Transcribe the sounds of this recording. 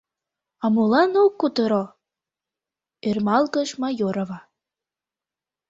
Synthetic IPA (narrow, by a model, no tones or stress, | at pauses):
ɑmulɑnokːut̪əɾo | ermɑlɣə̆ʃmɑjoɾoβɑ